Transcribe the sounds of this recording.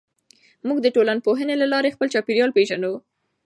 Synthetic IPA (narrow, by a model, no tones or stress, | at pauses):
muɡd̪əʈolanpoɦənelalɑɾexpəlt͡ʃɑpiɾjɑlpeʒanu